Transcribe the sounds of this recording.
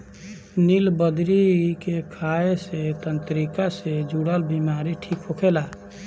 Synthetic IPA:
nilbəd̪ɾikekʰaeset̪ənt̪ɾikased͡ʒuɽəlbimaɾiʈʰikɦokʰela

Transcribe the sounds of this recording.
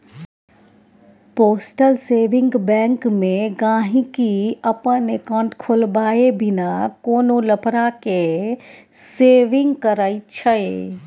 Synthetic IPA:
poːsʈəlseːʋɪ̃ŋɡbɛ̃ːŋkmẽɡãːɦĩkiəpənekãːɳʈkʰolbaːebʱɪnakoːnoləpɾake | seːʋɪ̃ŋɡkəɾaːit͡ʃʰəe

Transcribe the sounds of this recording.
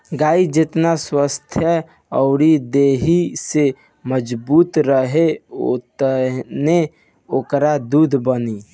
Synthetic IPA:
ɡaːid͡ʒet̪naswəst̪ʰjə | ɔʊɾid̪eɦise | məd͡ʒbuːt̪ɾəɦeot̪əne | oːkɾad̪uːd̪ʱbəni

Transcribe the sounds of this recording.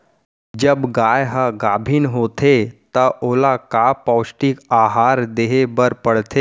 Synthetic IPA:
d͡ʒəbɡaːjɦəɡaːbʱiːnɦoːt̪et̪əʔoːlakapɔwsʈikaɦaːɾd̪eɦebəɾpəɽt̪ʰeː

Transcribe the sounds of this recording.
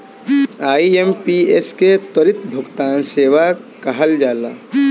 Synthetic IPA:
aːiempiesket̪ɐɾɪt̪bʱʊkt̪aːnseːʋakɐɦəld͡ʒaːlaː

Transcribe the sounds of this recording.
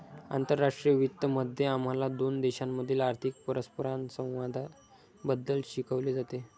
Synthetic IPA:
a̰nt̪əɾːaʂʈɾijəʋit̪ːəməd̪ʱjeam̤alad̪ond̪ɛɕamːəd̪ʱiːlaɾt̪ʰik̚pəɾəspəɾansə̃w̃ʋad̪ʱ | bəd̪ːəlɕikʰəʋled͡zat̪e

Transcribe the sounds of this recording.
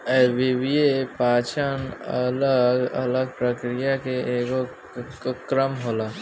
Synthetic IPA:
ɛʋɪbijepaːt͡ʃənələɡələɡ̚pɾəkɾijakeʔeːɡo | kɾəmɦoːlaː

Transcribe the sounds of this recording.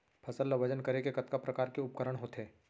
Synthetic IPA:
pʰɐsəlːɐʋɐd͡ʒənkɐɾekekɐt̪kapɾɐkaːɾkeʊpkəɾəɽ̃ɦoːt̪ɦeː

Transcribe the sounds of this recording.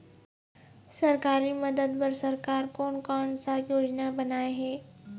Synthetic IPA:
sɐɾkaːɾiməd̪əd̪pəɾsɐɾkaːɾkɔːnkɔːnsajoːd͡ʒnabɐnaːeɦɛː

